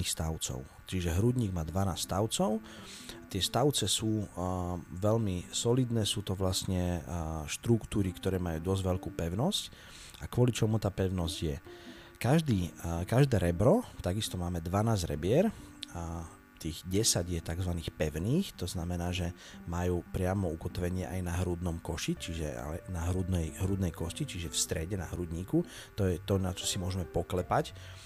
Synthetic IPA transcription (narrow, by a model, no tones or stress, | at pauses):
iːxst̪aʊt͡sɔ̰ʊ | t͡ʃiʒɛɦɾuɟɲiːɡmaːd̪ʋanaːsst̪aʊt͡sɔʊ | t̪ɪɛst̪aʊt͡sɛsuː | ʋɛʎmisɔlid̪nɛːsuːt̪ɔʋlasɲɛʃt̪ɾukt̪uːɾikt̪ɔɾɛːmajuːd̪ɔzʋɛʎkuːpɛʊnɔsc | akwʊɔlit͡ʃɔmut̪aːpɛʊnɔzɟjɛ | kaʒd̪iːkaʒd̪ɛːɾɛbɾɔt̪aɡist̪ɔmaːmɛd̪ʋanaːzɾɛ̰bɪɛɾ | t̪iːɣɟɛsaɟjɛt̪aɡzʋaniːxpɛʊniːxt̪ɔznamɛnaːʒɛ | majuːpɾɪamɔukɔt̪ʋɛɲɪɛʔajnaɦɾud̪nɔmkɔʃit͡ʃiʒɛ̰a̰lɛnaɦɾud̪nɛjɦɾud̪nɛjkɔscit͡ʃiʒɛfst̪ɾɛɟɛna̰ɦɾuɟ̪ɲiːku | t̪ɔjɛt̪ɔnat͡ʃɔ̥simʊɔʒɛmɛpɔklɛpac